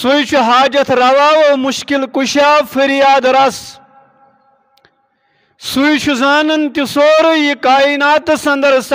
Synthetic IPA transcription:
sujt͡ʃʰuɦaːd͡ʒɐt̪ʰɾɐwaːwomuʃkilkuɕaːfiɾijaːd̪ɾɐs | sujt͡ʃʰuzaːnɐnt̪isoːɾɨjikaːinaːt̪ɨsɐnd̪ɐɾs

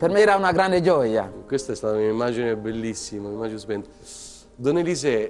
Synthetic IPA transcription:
permeɾaunaɡɾand̪ed͡ʒɔja̰kwest̪aɛst̪aːt̪amiaimːaːd͡ʒinebelːisːimaimːad͡ʒinspɛnt̪ | d̪onːelis̬e

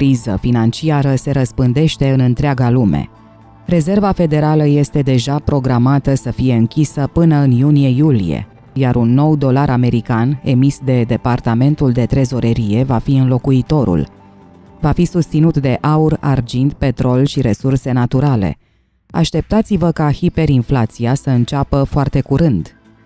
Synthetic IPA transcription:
kɾizəfinant͡ʃiaɾəse̞ɾəspɨnd̪e̞ʃt̪e̞ɨnɨnt̪ɾeaɡalume̞̰ | re̞ze̞rvafe̞d̪e̞ɾaləje̞st̪e̞d̪e̞ʒapɾo̞ɡɾamat̪əsəfije̞ɨŋkʲisəpɨnəɨnjunije̞julijḛ | jaɾunːo̞wd̪o̞laɾʔame̞ɾikane̞̰misd̪e̞d̪e̞part̪ame̞nt̪uld̪e̞t̪ɾe̞zo̞ɾeɾije̞vafiɨnlo̞kuit̪o̞ɾṵl | vafisust̪sinut̪d̪e̞ʔaura̰rd͡ʒind̪pe̞t̪ɾo̞lʃiɾe̞surse̞nat̪uɾale̞̰ | a̰ʃt̪e̞p̚t̪at̪sivəkahipe̞ɾinflat̪siasəɨnt͡ʃapəfoart̪e̞kuɾɨnd̪̥

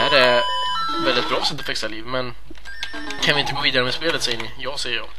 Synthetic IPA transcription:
æɖɛ | vɛld̪ɪt̪̚bɾɑːsɛt̪t̪ɔfɛksaliːvmɛn | kʰanvɪɪnt̪əɡoːviːd̪aɾəmɛspeːlət̪sɛjənɪjɑːɡsɛjːəjɑː

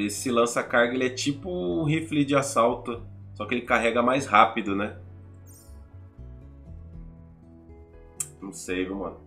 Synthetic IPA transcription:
lɪsɪlɐ̃sɐakaɾɡɐelɪɛt͡ʃipʊɦiflid͡ʒɪasawt̪ʊsɔkɪelɪkaɦɛɡɐmajshapid̪ʊnɛ | nɐ̃w̃sejviwmɐ̃nʊ

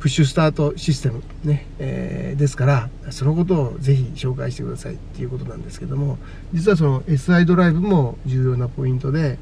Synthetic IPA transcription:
pɯ̟ɕːɨs̬ɨ̥t̪aːt̪o̞ɕis̬ɨ̥t̪emɯ̟ | ne̞ | ḛd̪e̞sɨ̥kaɾaso̞no̞ko̞t̪̬o̞ːze̞çiɕo̞ːkaiɕi̥t̪e̞kɯ̟d̪asa̰ḭt̪ːe̞jiɯ̟ːko̞t̪o̞nãnd̪e̞ske̞ɾed̪o̞mo̞ | d͡ʑit͡sɨβas̬o̞no̞ʔe̞sɨaid̪o̞ɾaibɯ̟mo̞d͡ʑɨːjo̞ːnapo̞ĩnt̪o̞d̪e̞

